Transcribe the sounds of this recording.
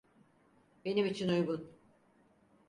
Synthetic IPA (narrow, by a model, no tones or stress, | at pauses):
be̞nimit͡ʃʰinujɡun